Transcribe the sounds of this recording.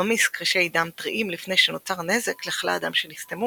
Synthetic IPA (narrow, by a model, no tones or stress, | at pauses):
amiskʁiʃejdamt̪ʁiʔimlifne̞jʃenot͡saʁne̞zekleχla̰ada̰mʃenist̪emu